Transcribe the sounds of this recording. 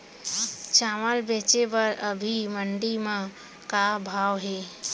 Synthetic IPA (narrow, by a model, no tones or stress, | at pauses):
t͡ʃaːməlbeːt͡ʃebəɾəbʱiməɳɖimã | kabʱaːʋɦeː